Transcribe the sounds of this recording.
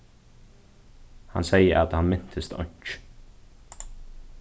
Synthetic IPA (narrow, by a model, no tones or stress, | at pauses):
hɑ̰nsæɪəʔɑt̪hɑnmɪnt̪ʰəst̪ɔ̰ɲt͡ʃ